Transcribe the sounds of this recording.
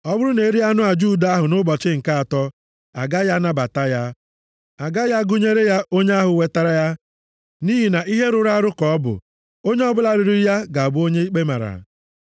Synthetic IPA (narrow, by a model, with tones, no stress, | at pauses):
ɔ˦bʊ˦ɾʊ˦ne˨˦ɾi˦a˦nʊ˦a˨d͡ʒu˦˨da˨a˦ɦʊ˨nʊ˦bɔ˨t͡ʃɪ˦ŋ̩˨ka˦a˨tɔ˦ | a̰˨ɡa˦ja˦na˦ba˨ta˦ja˦ | a˨ɡa˦ja˦ɡʊ˦ɲe˦ɾe˦ja˦ʔo˦ɲe˦a˦ɦʊ˨we˨ta˦ɾa˦ja˦ | ni˦ɦi˨na˨ʔi˦ɦe˦ɾʊ˨ɾa˦ɾʊ˦kɔ˨ɔ˦bʊ̰˨ | o˦ɲe˦ɔ˦bʊ˦la˨ɾɪ˨ɾi˦ja˦ɡa˨a˨bʊ˦o˦ɲe˦i˦k͡pe˦ma̰˨ɾa̰˨